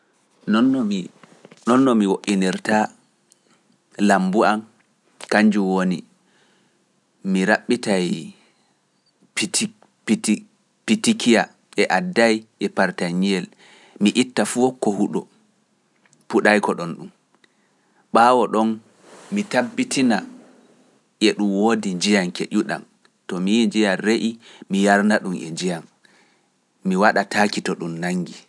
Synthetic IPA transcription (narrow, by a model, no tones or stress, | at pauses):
nɔnːɔmi | nɔnːɔmiwoʔːiniɾta | lambuam | kaɲd͡ʒuwoni | miɾaɓːitaj | p | pitikija | ʔɛʔadːajʔɛpaɾtaɲijɛl | miʔitːafukːɔhuɗɔ | puɗajkɔɗɔnɗum | ɓaːwɔɗɔn | mitabːitʰina | ʔɛɗumwoːdid͡ʒijaŋkḛʔuɗa̰m | tɔmijd͡ʒijanɾeʔimijaɾnaɗumɛ̰nd͡ʒijam | iwaɗatʰaːkitɔɗumnaŋɡi